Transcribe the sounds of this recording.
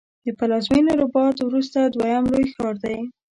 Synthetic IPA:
d̪əpalɑzmineɾobɑt̪wɾus̬t̪ad̪wajamlojxɑɾd̪aj

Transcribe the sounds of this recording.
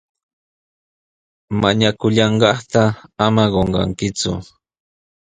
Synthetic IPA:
maɲakʊʎɑɴɢɑχt̪aamaɢoɴɢɑ̰ŋkɪt͡sʊ̰

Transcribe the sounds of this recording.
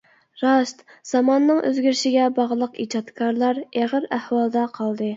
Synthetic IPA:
ɾɑʃt̪z̥ɑmɑnːɨŋʔø̰zɡʲyɾʃiɡʲɛbɑʁlˠəqid͡ʒɑt̪kʰɑɾlˠɑɾeʁəɾæhwɑlˠd̪ɑqʰɑlˠd̪ɨ

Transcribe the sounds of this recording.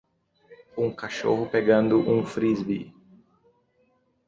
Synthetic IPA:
ũŋkaʃo̰ɦʊpeɡɐ̃nd̪ʊʔũfɾizbḭ

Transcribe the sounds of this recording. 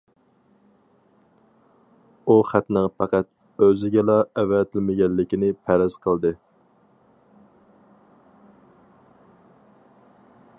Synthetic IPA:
uχæt̪nɨŋpʰɑqæt̪̚ | øzɪɡʲɛlɑɛwɛt̪ʰɪlmɪɡʲɛlːɪkʲinɪpʰæɾɪz̥qʰəlˠd̪ɨ

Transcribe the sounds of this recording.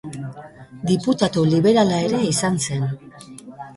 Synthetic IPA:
d̪iput̪at̪uliβe̞ɾalae̞ɾe̞isanse̞n

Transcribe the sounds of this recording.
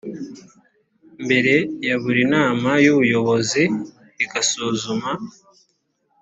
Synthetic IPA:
mbe̞ɾe̞jaβuɾinaːmajuβujo̞βo̞ziː | ɡasuːzuma

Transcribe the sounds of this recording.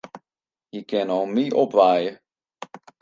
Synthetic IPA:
jəkɪnɔlmiʔɔpʋaːjə

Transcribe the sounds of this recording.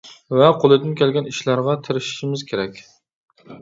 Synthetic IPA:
vɛqʰolˠɨd̪ɪnkʲʰɛlɡʲɛniʃlæɾʁɑt̪ʰɪɾɪʃʃimɪzkʲʰeɾɛkʲ

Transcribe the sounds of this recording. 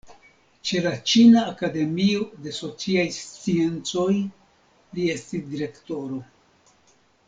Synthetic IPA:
t͡ʃe̞lat͡ʃinaːkade̞miode̞so̞t͡siajst͡sie̞nt͡so̞j | lie̞stisdiɾe̞kto̞ɾo̞

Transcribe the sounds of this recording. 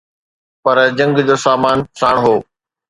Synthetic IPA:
pɐɾd͡ʑɐ̃ŋɡd͡ʑoːsaːmaːnsaːɽ̃ɦoː

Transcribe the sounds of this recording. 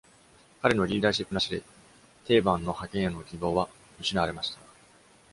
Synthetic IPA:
kaɾe̞no̞ɾʲiːd̪aːɕipːɯ̟naɕid̪e̞ | t̪e̞ːbãnːo̞hakẽ̞ɰ̃janokʲibo̞ːβa | mɯ̟ɕinaaɾe̞maɕi̥t̪ḁ

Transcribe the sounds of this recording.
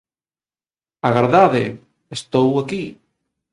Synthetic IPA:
aɣaɾðaðe | est̪owaki

